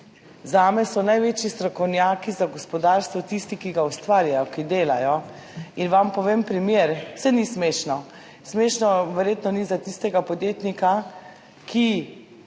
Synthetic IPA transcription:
zaːmɛsɔnajʋeːt͡ʃjist̪ɾɔkɔwnjaːkizaɡɔspɔd̪aːɾst̪ʋɔt̪ist̪ikiɡaust̪ʋaːɾjajɔkid̪eːlajɔ | inʋampɔʋeːmpɾimjeːɾsɛnismeːʃnɔ | smeːʃnɔʋɛɾjet̪nɔnizat̪ist̪ɛɡapɔd̪jeːt̪nika | kʰi

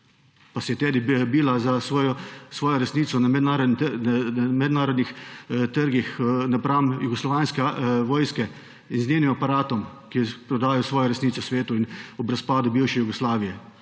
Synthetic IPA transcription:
pasɛjɛt̪ɛːd̪ibiːlazasɔjɔsʋɔːjɔɾɛsniːt̪sɔnamɛd̪naːɾɔd̪ | mɛd̪naːɾɔd̪nixt̪əɾɡixnapɾamjuɡɔslɔʋaːnskɛʋɔːjskɛ | inzneːnimapaɾaːt̪ɔmkipɾɔd̪aːjɔsʋɔːjɔɾɛsniːt̪ɔsʋeːt̪uinubɾɐspaːd̪ʊbiwʃɛjuɡɔslaːʋijɛ

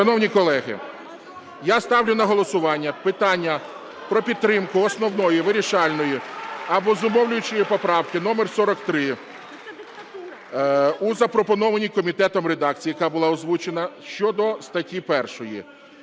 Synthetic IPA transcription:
ʃɐnɔwnʲikɔlˠɛɦɪ̰ | jast̪ɑwlʲʊnɐɦɔlˠɔsʊʋɑnʲːɐpɪt̪ɑnʲːɐ | pɾɔpʲid̪̚t̪ːɾɪmkʊɔsnɔwnɔjiʋɪɾʲiʃɑlʲnɔjiɐbɔzʊmɔwlʲʊjʊt͡ʃɪjipɔpɾɑwkɪnɔmersɔɾɔkt̪ɾɪ | uzɐpɾɔpɔnɔʋɐnʲikɔmʲit̪ɛt̪ɔmre̞d̪ɑk̚t͡sʲijːjɐkɑbʊlˠɑɔzʋut͡ʃenɐʃt͡ʃɔd̪ɔst̪ɐtʲːipɛrʃɔjḭ

